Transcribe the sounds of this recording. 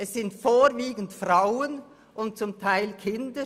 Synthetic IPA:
ɛssɪntfoːɾviːɡən̩tfraʊən | ʔʊn̚t͡sʊmtʰaɪlkʰɪndə

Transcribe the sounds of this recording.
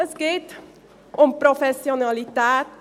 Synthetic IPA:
sɡet̪ | ʔɔmpɾɔfɛsionɑlɪt̪æːt̪

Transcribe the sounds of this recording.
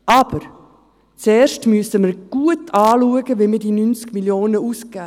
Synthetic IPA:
ʔɑb̥əɾ | t͡seːʃtmyəsəməɾɡ̥uətʰɑːluəɡəvimədiːnynt͡skmiljoːnəusɡ̥ɛː

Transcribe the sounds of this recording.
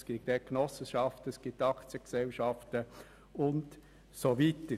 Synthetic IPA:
sɡ̥idɛknɔsəʃɑftəɛsɡ̥itːɑkt͡sjəksɛlʃɑftə | ʊnt | sovitə

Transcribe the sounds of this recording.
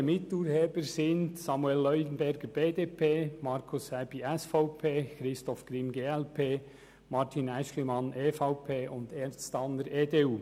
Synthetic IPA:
mɪtuːɾheːbəɾsɪntsɑmuɛlːœʏdn̩bɛɾɡ̥əɾb̥eːdeːpʰeːmɑɾkʰʊshɛb̥iʔɛsfɔʊpʰeːkɾɪstɔfkɾɪmɡeːɛlpʰeː | mɑɾtʰinæʃlimɑnʔeːfɑʊpʰeːʔʊndeɾt͡stɑnəɾeːdeːuː

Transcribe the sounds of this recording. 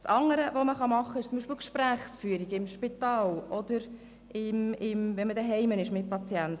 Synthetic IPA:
t͡sɑŋːəɾəvoməχɑmɑχːəɪʃt͡sʊmbiʃpɪlkʃpɾæːχsfyːəɾiɡɪmʃpitɑːlʔɔd̥̪əɾ | ɪmɪmvɛnmədəɦɛɪmənɪʃmɪt̚pɑt͡sjɛnt̪

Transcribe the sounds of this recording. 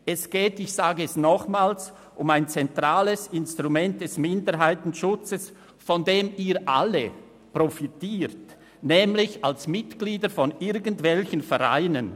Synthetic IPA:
ɛsɡ̥ɛːtɪçsaːɡəɛsnɔχmaːls | ʔʊmaɪnt͡sɛntʁ̥aːləsɪnstʁumɛnt̚d̥ɛsmɪndəɾɦaɪtn̩ʃʊt͡səs | fɔndeːmiːʔa̰lə | pʁ̥ofitiːʁt | nɛːmlɪçalsmɪtɡ̥liːdəfɔnɪɾɡən̩tv̥ɛlçənfɛʁa̰ɪnən

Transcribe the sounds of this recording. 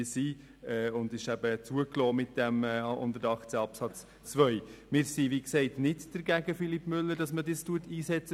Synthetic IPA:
siː | ɛʊndɪʃæb̥ət͡suəklɔːmɪtd̥ɛmɛʊ̰ndəɾɑχt͡sɛɑpsɑt͡s | t͡svʋœʏmɪːɾsiʋiksɛɪtnɪdd̥əɾɡæɡəfilipmʏlːəɾd̥ɑsmədɪstuətiːsɛt͡sə

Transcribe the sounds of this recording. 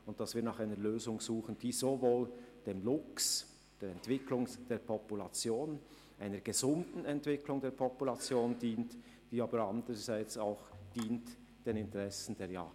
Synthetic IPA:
ʊnt̚d̥asviːɐnaːχaɪnəɾløːzʊŋz̥uːχənd̥iːzovoːld̥eːmlʊks | d̥eːɾɛntv̥ɪkʰlʊŋd̥eːpʰɔpulat͡sjoːn | ʔaɪnəɾɡ̥əzʊndn̩ɛntv̥ɪklʊŋdeːɐpʰɔpulat͡sjoːndiːnt | d̥iːaːbəɾandəʁəzaɪt͡saʊxd̥iːnt | d̥eːnɪntəʁɛsn̩deːɐja̰ː

